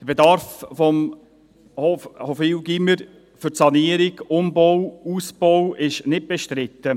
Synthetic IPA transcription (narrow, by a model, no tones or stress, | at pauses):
d̥əbedɑɾffɔm | hofhɔfiwɡiməɾ | fʏɾtsɑniəɾɪɡʊmbɔwuːsb̥ɔwɪʃnɪt̚b̥ɛʃtɾɪt̪ːə